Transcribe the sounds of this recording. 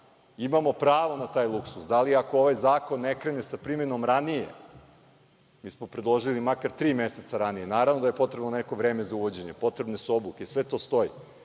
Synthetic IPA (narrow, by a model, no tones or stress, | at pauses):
imamo̞pɾaːʋonat̪aːjlˠuksusd̪aliako̞oʋajzaːko̞nːekɾe̞nesapɾime̞nomɾanijḛ | miːsmopɾed̪lˠo̞ʒilimakaɾt̪ɾiːme̞set̪saɾanije̞naːɾavnod̪aje̞po̞t̪ɾe̞bnoneko̞ʋɾeːme̞zauʋo̞d͡ʑe̞ɲepo̞t̪ɾe̞bnosuo̞blukesʋe̞t̪o̞ːst̪o̞ji